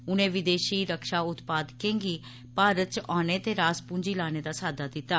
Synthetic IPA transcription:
ʊnẽːʋɪd̪eːʃiːɾəkʃaːʊt̪paːd̪kẽːŋɡiː | paːɾət̪t͡ʃʔaːneːt̪eːɾaːspʊ̃ɲd͡ʒiːlaːñeːd̪aːsaːd̪aːd̪ɪt̪ːaː

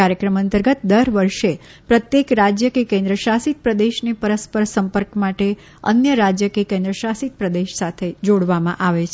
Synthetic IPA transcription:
aɾjəkɾəmənt̪əɾɡət̪d̪əɾʋəɾʃe | pɾət̪jekɾad͡ʒjəkekẽnd̪ɾəʃasit̪̚pɾəd̪eʃnepəɾəspəɾsəmpəɾkmaʈe | ə̰njəɾad͡ʒjəkekẽnd̪ɾəʃasit̪̚pɾəd̪eʃsat̪ʰed͡ʒoɽʋamã̰ʔaʋe

